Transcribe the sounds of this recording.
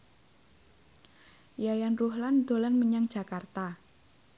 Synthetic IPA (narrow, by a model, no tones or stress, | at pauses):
jajanruhland̪̥o̤lanməɲaŋdd͡ʒʒ̥a̤kart̪a